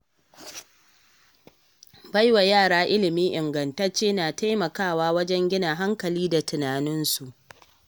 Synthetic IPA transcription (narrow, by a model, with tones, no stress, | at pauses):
ba˦jwa˨jaː˦˨ɽaː˦ʔɪ˦lɪ˨miː˦ʔɪ˨ŋɡɐ˨nta˦t͡ʃeː˦naː˨ta˦jmɐ˨kaː˦˨waː˦wɐ˦d͡ʒɛ˦ŋɡʲɪ˦na˨ɦa˦ŋkɐ˨liː˦da˨tʊ˨naː˨nɪ˦nsu˨ʔ